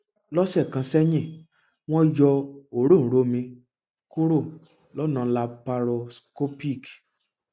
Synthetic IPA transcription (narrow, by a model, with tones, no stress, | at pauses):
lɔ˦sɛ˦˨kã˧sɛ˦ɲĩ˦˨ | w̃ɔ̃˦d͡ʒɔ˧o˨ɾõ˦˨ɾo˧˦mĩ˧ | ku˦ɾo˦˨ | lɔ˦nã˧la˧pa˧ɾo˧sko˦pi˦˨k